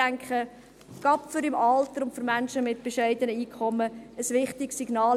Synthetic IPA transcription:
æŋkχə | ɡ̥ɑpfʏɾɪmɑltəɾʊntfʏɾmænʃəmɪt̚b̥eʃɛɪdənəiːkχɔmːəəsʋɪχtɪksiɡ̥nɑːl

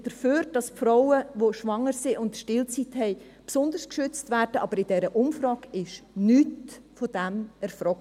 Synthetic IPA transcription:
d̥əɾføːɾd̥ɑsfɾɔʊəʋoʃʋɑŋːəɾsiʔʊntʃtɪlt͡sithɛɪ | psʊndəɾskʃʏt͡stvæːɾd̥əʔɑb̥əɾɪd̥ɛɾəʔʊmfɾɑːɡɪʃnyːtfod̥ɛmɛɾfɾɔk

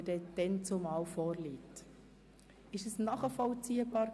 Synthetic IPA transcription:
dɛd̥̪ɛnt͡somɑːwfɔːɾliːt | ɪʃəsnɑːχəfɔlt͡siːəbɑːɾ

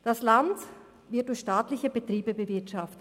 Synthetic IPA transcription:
d̥asland | vɪɐt̚d̥ʊɐçʃtaːtlɪçəbətʁ̥iːbəbəvɪɐtʃaftə

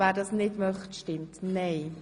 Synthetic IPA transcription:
væːɾdɑsnɪdmœχtʃtɪmtneɛɪ

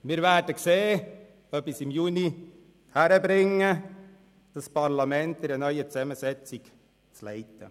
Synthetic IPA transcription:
mɪɾʋæːdəkseː | œpːɪsɪmjuːni | hæɾəbɾɪŋːə | d̥ɑspɑɾlɑmɛnt̪ɪɾənœʏət͡sɛməsɛt͡sik | t͡slɛ̰ɪt̪ə

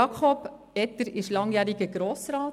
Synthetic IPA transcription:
ɑkʰχɔb̥ | ɛt̪əɾɪʃlɑŋjæːɾiɡəɡ̥ɾoːsɾɑːt

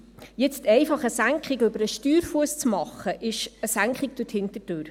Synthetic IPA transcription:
jɛt͡stɛɪfɑχəsæŋkχiɡʏbəɾəʃtyːɾfuəst͡smɑχəʔɪʃəsæŋkχik̚d̥ʊthɪntətøːɾ

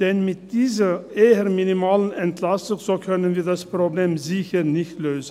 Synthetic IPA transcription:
d̪̥ɛnmɪt̪̚d̪iːs̬əeːəɾmɪnɪmɑːlənɛnt̪ʰlɑsʊŋsoːkʰœnːənʋiːd̪ɑspʰɾʊbleːmzɪçəɾnɪçt̪løːsə̥

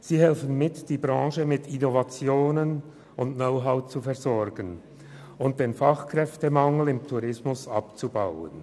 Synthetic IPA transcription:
z̥iːhɛlfən̩mɪtd̥iːbʁɑ̃ːʃəmɪtʰinovat͡sjoːnən | ʊntnoʊɦaʊt͡sufɛɐzɔɾɡən | ʊnt̚d̥eːnfɑχkʁ̥ɛftəmɑŋl̩ɪmtʰuɾʁɪsmʊsɑpt͡subaʊə̰n

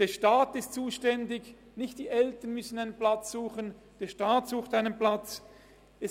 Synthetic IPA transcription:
d̥eːɐʃtaːtɪstt͡suːʃtɛndɪç | nɪçt̚d̥iːʔɛltɐnmʏsn̩aɪnənplat͡sz̥uːχən | d̥eːɐʃtaːtz̥uːxtaɪnənplat͡s | ɛ

